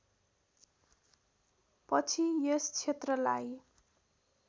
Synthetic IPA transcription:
pʌt͡sʰijest͡sʰet̪rʌlaj

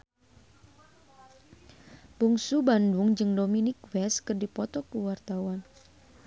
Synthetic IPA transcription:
buŋsubandʊŋd͡ʒɨŋdominɪk̚wɛskɨrdipɔt̪ɔkuwart̪awan

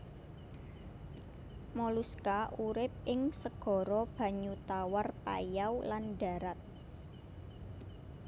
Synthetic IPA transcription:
moluskaʔuɾɪp̚ɪŋsəɡ̥ɔ̤ɾɔb̥a̤ɲut̪awarpa̰jawlanɖa̤ɾat̪̚

